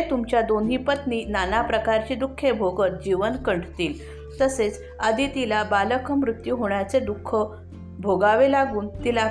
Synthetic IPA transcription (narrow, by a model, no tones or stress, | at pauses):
t̪umt͡ɕjad̪onɦipət̪ninanapɾəkaɾt͡ɕiːd̪ukʰːebʱoɡət̪̚d͡ʑiʋənkəɳɖt̪iːl | t̪əset͡s | əd̪ʱit̪ilabaləkʰəmɾut̪juɦoɳ̃jat͡sed̪ukʰːə | bʱoɡaʋelaɡuːnt̪ila